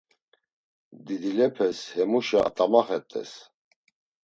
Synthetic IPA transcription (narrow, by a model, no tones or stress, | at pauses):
d̪id̪ilɛpʰɛshɛmuʃa̰t̪ʼamaχɛt̪ʼɛ̰s